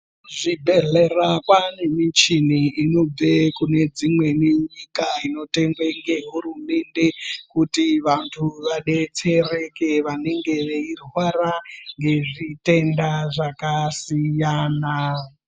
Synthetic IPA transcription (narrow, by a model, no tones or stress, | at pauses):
ʐibʱeɮerakwane̞mit͡ʃiniino̞b͡vekune̞d͡zimwe̞neɲikaino̞te̞ŋɡweŋɡe̞ɦuɾume̞nde̞kutiʋantʰuʋaɗe̞t͡sere̞keʋane̞ŋɡe̞ʋeirwaɾaŋɡe̞ʐite̞ndaʐakasijaːna